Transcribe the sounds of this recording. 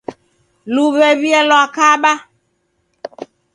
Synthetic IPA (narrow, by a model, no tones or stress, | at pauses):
luβɛβiɛlɔakaɓa